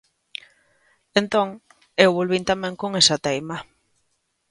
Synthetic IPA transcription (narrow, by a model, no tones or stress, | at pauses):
ent̪oŋ | ewβolβint̪amɛ̃ŋkoŋesat̪ejma